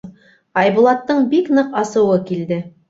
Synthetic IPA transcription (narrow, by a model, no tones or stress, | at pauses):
ɑjbŭlˠɑt̪ːɤɴbiknɤqɑsɤ̆wɤkild̪ɘ